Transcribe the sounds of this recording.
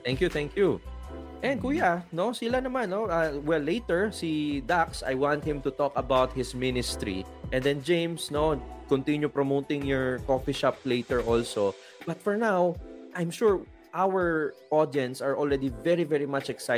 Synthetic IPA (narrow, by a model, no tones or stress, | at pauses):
t̪æ̃ŋkjuθæ̃ŋkju | ʔɛ̃nd̚kuːjanosɪlanɐmãnːoawɛlːejt̪ɛɹsid̪aksa̰jwãnt̪̚hɪ̃mt̪ʊt̪ɔkɐbawt̪̚hɪsmɪnɪst̪ɾḭ | ʔɛ̃nd̪ɛ̃nd͡ʒẽj̃msnokɔ̃nt̪ɪ̃njupɹomoːt̪ɪ̃ŋjɔɹkofiʃap̚leɪt̪ɛɹʔɔlso | b̥ɐt̪̚fɔɹnawʔajmʃuɹ | ʔawəɹʔod̪iɛ̃nt̪saɹɔlɹɛd̪ivɛɹivɛɹimat͡ʃɛksa